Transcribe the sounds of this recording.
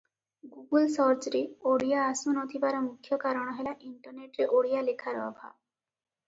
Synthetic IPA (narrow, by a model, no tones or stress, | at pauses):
ɡuɡulsɔɾt͡ʃɾeoɽijaːsunot̪ʰibaɾɔmukʰːjɔkaɾɔɽ̃ɔɦelaʔiɳʈɔɾneʈɾeʔoɽijalekʰaɾɔ̰bʱa̰